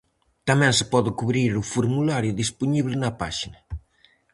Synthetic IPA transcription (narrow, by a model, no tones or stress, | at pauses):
t̪amɛ̃ŋsɪ̥pɔðɪkuβɾiɾʊfoɾmulaɾjʊðispuniβlɪnɐpaʃinɐ